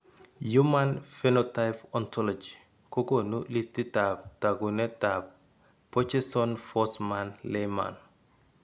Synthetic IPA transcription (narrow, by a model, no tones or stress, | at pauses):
jumanfɛnɔtajpɔntʰɔlɔd͡ʒi | kɔkonulistitap̚taɡunɛtap̚ | pːɔt͡ʃɛsɔnfɔsmanlema̰n